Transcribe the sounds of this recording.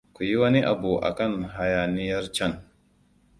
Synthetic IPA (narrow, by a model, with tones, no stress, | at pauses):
ku˨ji˦wɐ˦ni˦ʔa˨bu˨ʔa̰˨kɐ˦˨nɦa˨jaː˨ni˦jɐ˦rt͡ʃɐ˦n